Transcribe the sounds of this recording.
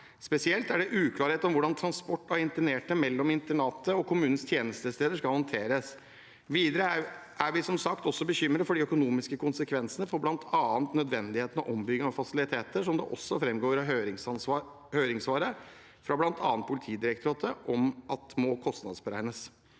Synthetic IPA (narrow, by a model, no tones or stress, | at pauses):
spɛsɪɛlt̪æɖɛʔʉːkʰlɑːɾheːt̪ɔmʋʊɖɑnt̪ʰɾɑnspɔʈːɔɪnt̪əɳeːʈəmɛlːɔmɪnt̪əɳɑːt̪əɔkʰʊmʉːnənst̪ʰjeːnəst̪əst̪eːd̪əʂkɑhɑnt̪ʰeːɾəs | ʋiːd̪əɾəʔæʋɪsɔmsɑk̚t̪ɔsːɔbəɕʏmːɾəfɔɖɪœkʊnuːmɪskəkʰʊnsəkʰʋɛnsənəfɔblɑnt̪ʰɑːnt̪nœd̪ʋɛnd̪ɪheːt̪ən̩ɔ̰ʔɔmbʏɡəɑfɑsɪlɪt̪ʰeːt̪əʂɔmd̪ɛ̰ʔɔsːɔfɾɛmɡoːɾɑɦøɾɪŋsɑnɑ | høːɾɪŋsʋɑːɾə | fɾɑblɑnt̪ʰɑ̰ːnt̪̚pʰʊlɪt̪ʰiːd̪ɪɾɛkt̪ɾɑːt̪ʰəʔɔmɑt̪mɔkʰɔst̪nɑ̰d̪sbəɾæ̰ɪnəs